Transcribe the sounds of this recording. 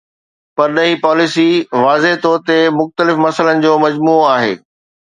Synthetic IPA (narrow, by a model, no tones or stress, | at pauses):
pɐɾɗɐɦipɔːlɪsiʋaːzeɦt̪ɔːɾt̪emʊxt̪əlɪfmɐsələnɪ̆d͡ʑoːmɐd͡ʑmuːaːɦḛː